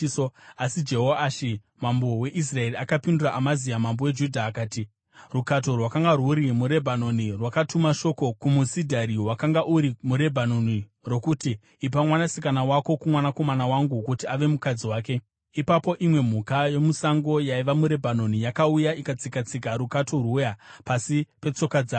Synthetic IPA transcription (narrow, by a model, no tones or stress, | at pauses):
oasid͡ʒe̞ɦoaaʃi | mambo̞we̞ʔis̬rae̞riakapinduraʔamazijamambo̞we̞d͡ʒudʱaːkaːti | rukat̬o̞rwakaŋɡarwuɾimuɾe̞bʱano̞nirwakatumaʃo̞kokumusidʱaɾiwakaŋɡaʔuɾimuɾe̞bʱano̞niro̞kutiː | p̬amwanasikanawako̞kumwanako̞manawaŋɡukutiaʋe̞mukad͡ziwaːke̞ | ipapo̞ʔimwe̞m̤ukajo̞musaŋɡo̞jaiʋamuɾe̞bʱano̞nijakaujaikat͡sikat͡sikaɾukatʰo̞rwujapasipe̞t͡so̞kad͡zaː